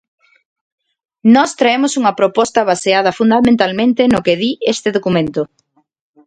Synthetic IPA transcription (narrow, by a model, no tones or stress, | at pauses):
nɔst̪ɾaemʊsuŋɐpɾopɔst̪ɐβaseað̞ɐfund̪amẽnt̪almẽnt̪enokeðiest̪eðokumẽnt̪ʊ